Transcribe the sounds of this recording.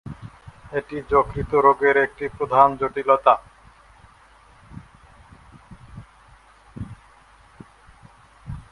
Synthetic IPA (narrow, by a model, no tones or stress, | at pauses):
eʈid͡ʑokɾit̪oɾoɡeɾek̚ʈipɾod̪ʱand͡ʑoʈilot̪a